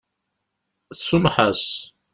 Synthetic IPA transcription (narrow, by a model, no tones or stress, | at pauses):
θsʊmħas